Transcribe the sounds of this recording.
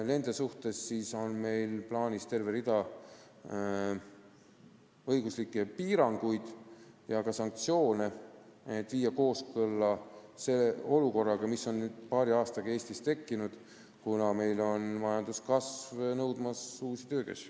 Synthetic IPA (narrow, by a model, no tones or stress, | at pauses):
le̞nd̪̥esuht̪e̞sːiːso̞nme̞jlplɑːnʲist̪e̞rveɾid̪̥ɑ | ɤjɡ̥uslikːˑe̞piːɾɑŋɡ̥ujd̪̥ | jɑkɑsɑŋk̚t̪sijo̞ːne̞et̪ːˑviːjːɑko̞ːskɤlːɑse̞leo̞luko̞rːɑɡ̥ɑmiso̞nnyːd̪̥̚pɑːɾiɑːst̪ɑɡ̥ɑe̞ːsʲt̪ist̪e̞kːinud̪̥ | kunɑme̞jlo̞nmɑjɑnd̪̥uskɑsvnɤwd̪mɑsuːsit̪øːkæ̰si̥